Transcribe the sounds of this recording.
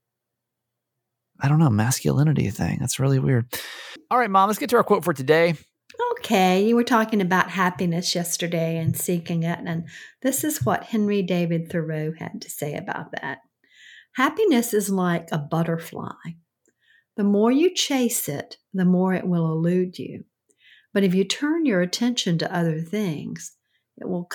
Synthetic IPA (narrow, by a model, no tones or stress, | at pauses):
aɪɾõʊ̃nːoʊmæskjɨ̰lɪ̃nɨɾḭɨθɪ̰̃ŋðæ̰tsɹɪlˠiwɪ̰ɹd̥̚lˠɹaɪt̚mɑ̃mləsɡ̥ɛtʰɨaʊkʰwoʊtfə˞tʰɨdeɪ | oʊkʰeɪjɨwə˞tʰɔkɪ̃ŋɨbaʊt̚ɦæpinɨsjɛstə˞deɪɨ̃nsikɪ̃ŋɪɾɨ̃nðɪsɨzwʌt̚hɛ̃nɹideɪvɨd̪̚θə˞oʊɨ̰d̚tʰɨ̥seɪɨ̰ba̰ʊt̪̚ðæ̰t̚ | hæpinɨsɨzlaɪkəbʌɾə˞fla̰ɪ | ðəmɔɹjɨt͡ʃʰeɪsɪt̪̚ | ðɨmɔɹɪ̰ʔwɪlˠəlʉd͡ʒʉ̰ | b̥ʌɾɨfjɨtʰɜ̃˞njə˞ɨtʰɛ̃nʃɨ̃ntɨ̰ʔʌðə˞θɪ̃ŋz̥ | ɪ̰ʔ̚wɪlˠ